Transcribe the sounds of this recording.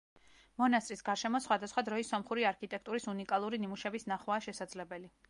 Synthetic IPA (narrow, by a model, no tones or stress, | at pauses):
mɔnast̪ʼɾisɡaɾʃɛmɔsχwad̪asχwad̪ɾɔisːɔmχuɾiaɾkʰit̪ʼɛk̚ʰt̪ʼuɾisunikʼalˠuɾinimuʃɛbisnaχwaːʃɛsad̪zlɛbɛli